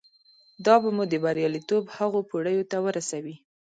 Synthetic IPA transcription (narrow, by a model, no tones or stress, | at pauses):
d̪ɑbamud̪əbaɾjɑlit̪obhaɣopoɽəjot̪awəɾasawi